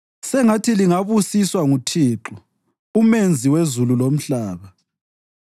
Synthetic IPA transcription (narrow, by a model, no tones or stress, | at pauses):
sɛŋatʰiliŋaβusiswaŋutʰiːǁu | umend͡zʱiwezululom̩ɬaːβa